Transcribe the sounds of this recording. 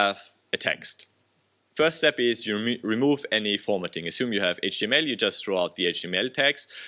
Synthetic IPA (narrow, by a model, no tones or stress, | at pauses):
əv̥ | ɨtʰɛ̰kst | fɜˑ˞ststɛpɪzjɨɹɪmuːvɛnifɔːmətɪ̃ŋɨsjʉ̃ːmjɨːvḛɪt͡ʃd̥iɛ̃mɛlˠjɨd͡ʒʌsθɹuaʊt̪̚ðieɪt͡ʃɛ̃mɛlˠtʰæks